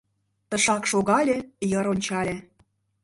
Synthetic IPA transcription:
t̪ə̆ʃɑkʃoɣɑlʲĕjɤ̆ɾonʲt͡ɕɑlʲĕ

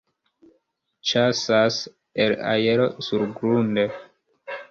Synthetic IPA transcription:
t͡ʃasas | ela̰jeɾo̞suɾɡɾunde

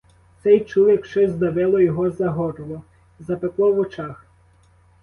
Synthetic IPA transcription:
t̪sɛjt͡ʃuwɐkʃt͡ʃɔzd̪ɐʋɪlˠɔjɔɦɔzɐɦɔɾɔlˠɔ | zɐpeklˠɔʋɔt͡ʃɑx

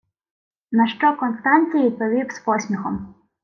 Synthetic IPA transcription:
nɐʃt͡ʃɔkɔnst̪anʲt͡sʲijɐid̪̚pɔʋʲiwspɔsʲmʲixɔm

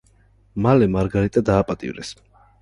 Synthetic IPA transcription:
malɛmaɾɡaɾit̪ʼad̪aːpʼat̪ʼḭvɾɛ̰s

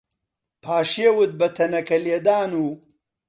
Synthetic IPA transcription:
pʰaːʂewut̪̚bɐt̪ʰɐnɐkɐljed̪aːnu

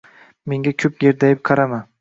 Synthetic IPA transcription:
me̞ŋɡʲakʲʰɵp̚ɡe̞ɾd̪ajɪp̚qʰɑɾaman

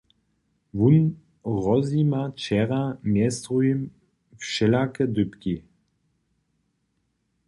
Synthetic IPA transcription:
vun | ʁɔzimat͡ʃɛʁamjɛst̪ʁuim | fʃɛlakəd̪ʏpki

